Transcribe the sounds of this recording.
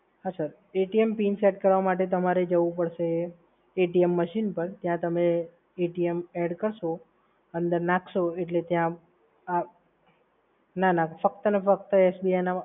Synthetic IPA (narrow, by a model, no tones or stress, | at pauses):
ɦasaɾ | eʈiempinsɛɖkəɾʋamaʈ̬et̪̬əmaɾed͡ʒəʋũp̬əɽʃe | eʈiemːəʃinpəɾt̪jãt̪əme | eʈiemeɽkəɾʃo | ənd̪əɾnãkʰʃoeʈlet̪jã | a | nanafəkt̪ənefək̚t̪əesbiajna